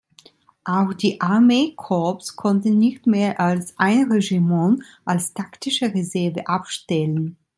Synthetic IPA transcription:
ʔaʊxd̥iːʔaɐmeːkʰɔɐpskʰɔntn̩nɪçtmeːɐʔalsʔaɪnʁeʒimɔn | ʔalstʰaktɪʃəʁezɛɐvəʔapʃtɛlən

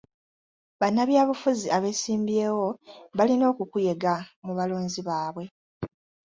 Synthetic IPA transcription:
βanːaβjaːβufuziaβe̞siːmbje̞ːwo̞βalino̞ːkukuje̞ɡamuβalo̞ːnziβaːβwe̞

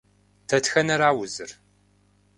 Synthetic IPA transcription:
tʰɐtxɐnɐɾaːwʊzɨr

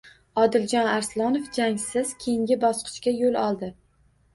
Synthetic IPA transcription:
ɒd̪ɪld͡ʒɒnaɾslˠɒnofd͡ʒaŋsɪzkʲʰeɪŋɡʲɪbɒsqʰɨ̥ʃkʲajolˠɒlˠd̪ɪ

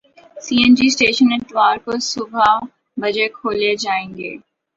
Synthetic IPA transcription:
siːend͡ʒiːsʈeːʃənɪt̪ɪʋaːɾkosʊbʱa | bɐd͡ʒekʰoːled͡ʒaːẽːŋɡḛː

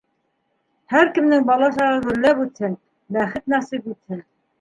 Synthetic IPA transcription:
hæɾkɘ̆mnɘŋbɑlˠɑʃɑʁɤɡɵ̆ɾlːæpʉt̪hɘn | bæχɘt̪̚næsipit̪hɘn

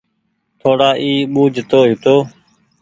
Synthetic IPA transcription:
t̪ʰoːɽaːʔiːɓuːd͡ʒʱt̪oːɦɪt̪oː

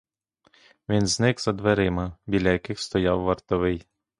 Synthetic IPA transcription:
ʋʲinznɪkz̥ɐd̪ʋeɾɪmɐbʲilʲːɐjɐkɪxst̪ɔjawːɐrt̪ɔʋɪj

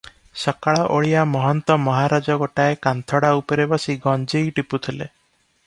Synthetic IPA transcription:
sɔkaɭaʔoɭijamɔɦɔnt̪ɔmɔɦaɾad͡ʒɔɡɔʈaekant̪ʰɔɽaupɔɾebasiɡɔnd͡ʒejʈiput̪ʰile

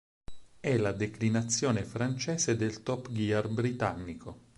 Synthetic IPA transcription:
ɛlad̪eklinat̪sːjɔːnefɾant͡ʃɛːsed̪elt̪ɔpɡiarbɾit̪anːiko

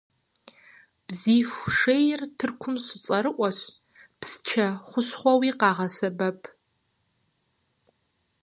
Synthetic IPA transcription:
b̥ziːfʷʂejɪrtʰɨrkʷʰʊmɕʷɪt͡sʼɐɾɨʔʷɔɕ | pst͡ʃʰɐχʷʊɕχʷɔwiːqɑːʁɐsɐbɐpʰ

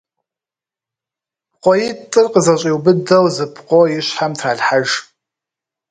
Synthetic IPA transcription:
qʷɔjɪtʼɨrqəzɐɕʼiwbɨdɐwzɨpʰqʷʼojɪɕħamtʰraːɮħaʒ

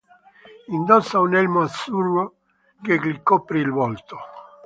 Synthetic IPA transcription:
ind̪ɔsːaunɛlmoat̪suro | keklikːɔpːɾiilvɔlt̪o

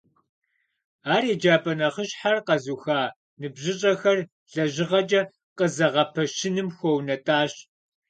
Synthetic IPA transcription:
aːɾeːd͡ʒaːpʼɐnɐχəɕħarqɐzuːxaː | nɨbʑɪɕʼɐxɐr | ɮɐʑɪʁɐd͡ʒʼɐ | qəzɐʁɐpʰɐʃɪnɨmxʷownɐtʼaːɕ

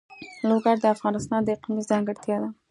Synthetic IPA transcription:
loɡaɾd̪əafɣɑnɪst̪ɑnd̪əqimizɑŋɡəɽt̪jɑd̪a

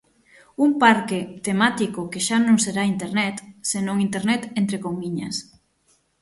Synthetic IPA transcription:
umpaɾket̪emat̪ikokeʃanõŋseɾaint̪eɾnɛt̪senõŋint̪eɾnɛt̪ent̪ɾekomiɲɐ̰s

